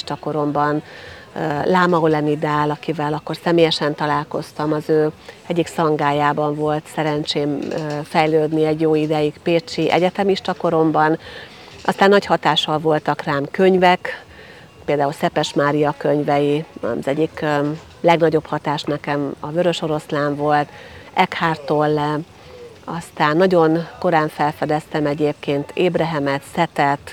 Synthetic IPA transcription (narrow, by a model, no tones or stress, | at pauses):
ʃt̪ɒko̞ɾo̞mbɒn | laːmɒolɛnid̪aːlɒkivɛlɒkːo̞rsɛmeːjɛʃɛnt̪ɒlaːlko̞st̪ɒmɒzøːɛɟːiksɒŋɡaːjaːbɒɱvo̞lt̪sɛɾɛnt͡ʃeːmːfɛjløːd̪niɛɟjoːid̪ɛjiɡpeːt͡ʃiʔɛ̰ɟɛt̪ɛmiʃt̪ɒko̞ɾo̞mbɒn | ʔɒ̰st̪aːnːɒchɒt̪aːʃɒlvo̞lt̪ɒkraːmkø̞ɲvɛk | peːld̪aːulsɛpɛʃmaːɾijɒkøɲvɛjiɒ̰zɛɟik | lɛɡnɒɟo̞phɒt̪aːʃnɛkɛmɒvøɾø̞ʃo̞ɾo̞slaːɱvo̞lt̪ɛkhaːrt̪olːɛ | ɒst̪aːnːɒɟo̞nko̞ɾaːɱfɛlfɛd̪ɛst̪ɛmɛɟeːp̚keːnt̪eːbɾɛɦɛmɛt̪sɛt̪ɛt̪